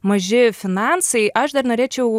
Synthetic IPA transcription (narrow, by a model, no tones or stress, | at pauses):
mɐʒʲɪfʲɪnɑnsɐɪʔɐʃd̪ɐrnoːɾʲeːt͡ʃʲɛʊ